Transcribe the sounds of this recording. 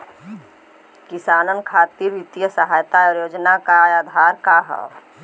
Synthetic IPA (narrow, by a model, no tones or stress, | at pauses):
kɪsaːnənkʰaːt̪iɾʋɪt̪jəsəɦaːjt̪aɔːɾjoːd͡ʒnakaaːd̪ʱaːɾkaɦɛ̰